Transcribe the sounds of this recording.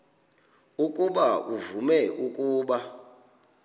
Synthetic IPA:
ukʼuɓauvumɛʔukʼuːɓa

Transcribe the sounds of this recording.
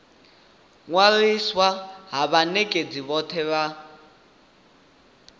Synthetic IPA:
ŋwaliswaɦaβanekʼed͡ziβɔt̪ʰɛβa

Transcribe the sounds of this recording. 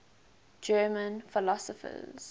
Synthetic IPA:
d͡ʒɜːmə̃nfɪlɔsɔfə̰z̥

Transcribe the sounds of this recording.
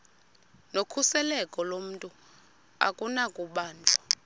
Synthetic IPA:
nokʰusɛlɛkʼɔlom̩tʼu | a̰kʼunakʼuɓaːnd͡ɮʱɔ̥

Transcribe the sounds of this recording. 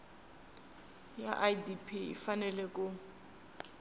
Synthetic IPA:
ja̰ʔadipʰiḭfanɛlɛkʼʊ

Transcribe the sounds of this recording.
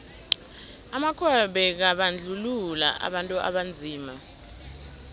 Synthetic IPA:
amakʰɛɓɛk̬aɓand͡ɮʱulula̰ʔa̰ɓantʼuʔa̰ɓand͡zʱiːma

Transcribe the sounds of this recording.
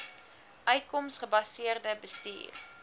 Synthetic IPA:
ʔœɥt̚kɔmsχəbɐsiərdəbəstḭːr

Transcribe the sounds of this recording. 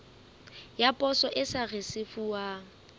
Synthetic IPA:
japʼɔsɔʔɪsarɪsɪfua

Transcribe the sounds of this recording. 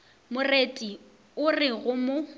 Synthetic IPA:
mʊretʼi | ʊrɪɣʊmʊ

